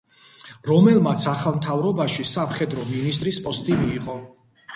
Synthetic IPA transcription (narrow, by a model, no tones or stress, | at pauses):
ɾɔmɛlˠmat̪sʰaχalˠmt̪ʰavɾɔbaʃisamχɛd̪ɾɔminist̪ʼɾispʼɔst̪ʼimiːqʼɔ